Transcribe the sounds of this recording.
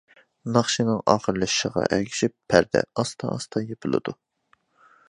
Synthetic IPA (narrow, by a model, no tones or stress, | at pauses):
nɑχʃinɨŋɑːχəɾlˠɨʃi̥ʃəʁɑ̰ʔæɡʲʰi̥ʃipʰːæɾd̪ɛ̰ɑst̪ʰɑɑst̪ʰɑjepʰɨlˠɨ̰d̪̥u